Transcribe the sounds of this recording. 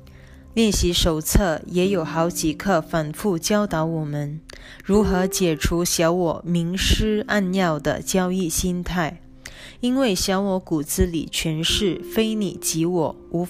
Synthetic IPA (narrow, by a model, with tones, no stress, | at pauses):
ljɛ˥˩nɕi˧˥ʂo˨˩ʊt͡sʰɤ˥˩jɛ˧˥jo˨˩ʊxɑ˧˥ʊt͡ɕi˨˩kʰɤ˥˩fa˨˩nfu˥˩t͡ɕjɑ˥ʊt̪ɑ˧˥ʊwɔ˨˩mə˦n | ɻu˧˥xɤ˧˥t͡ɕjɛ˨˩ʈ͡ʂʰu˧˥ɕjɑ˧˥ʊwɔ˨˩mi˧˥ŋʂɻ̩˥a˥˧nnjɑ˥˩ʊd̪ə̰˨t͡ɕjɑ˥ʊi˥˩ɕi˥nt̪ʰa˥˩ɪ | i˥nwe˥˩ɪɕjɑ˧˥ʊwɔ˧˥ku˨˩t͡sɹ̩˥lḭ˨˩t͡ɕʰɥɛ˧˥nʂɻ̩˥˩fe˥ɪni˨˩t͡ɕi˧˥wɔ˨˩ | u˧˥